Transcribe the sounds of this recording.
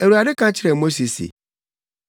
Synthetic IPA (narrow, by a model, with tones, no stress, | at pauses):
æ˨ɾu˨a˨dɪ˦kʰã˦t͡ɕʰɪ˦ɾɛ˨mo˦si˨sḭ˨